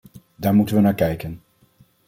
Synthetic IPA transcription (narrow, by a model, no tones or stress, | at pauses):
daːɹmutənʋənaːɹkɛjkən